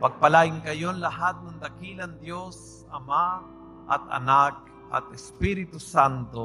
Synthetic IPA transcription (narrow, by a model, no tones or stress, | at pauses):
paɡ̚palaɪŋkajonlaɦat̪̚nʊnd̪akiland̪jos | ama | ʔa̰t̪a̰nak̚ | a̰t̪ɛspiɾit̪ʊsant̪o